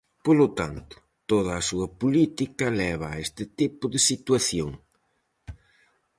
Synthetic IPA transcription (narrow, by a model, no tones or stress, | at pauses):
polʊt̪a̰nt̪ʊ̥ | t̪oðɐːsuɐpulit̪ikɐlɛβ̞ɐːest̪ɪt̪ipʊðesit̪waθjoŋ